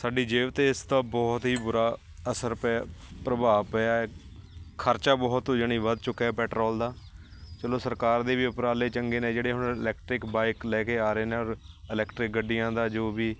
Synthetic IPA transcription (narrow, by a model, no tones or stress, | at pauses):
saːɖiːd͡ʒeːʋət̪eːɪst̪ãːbɔːt̪ɦiːbʊɾaː | əsəɾpɛpɾəbaːpɛaːɛː | kʰəɾt͡ʃaːbɔːt̪ːd͡ʒəñiːʋəd̪̚t͡ʃʊkːaɛːpɛːʈɾɔːld̪aːt͡ʃəloːsəɾkaːɾd̪eːʋiːʊpɾaːleːt͡ʃəŋɡeːnẽːd͡ʒeːɽeːɦʊɳɪlɛːk̚ʈɾɪkbaːɪklɛːkeːaːɾeːneːɔːɾ | ɪlɛːkʈɾɪk̚ɡəɖɪjãːd̪aːd͡ʒoːbiː